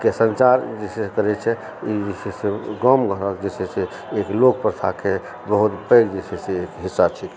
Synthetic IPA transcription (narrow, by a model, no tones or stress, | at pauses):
kesənt͡ʃaɾd͡ʒesekəɾɛt͡ʃʰɛ | id͡ʒesɛseɡɔmɡə̃əkd͡ʒesɛse | eklok̚pɾt̪ʰa̰ke | bəɦut̪pəɪɡd͡ʒesɛseekɦisːat͡ʃʰik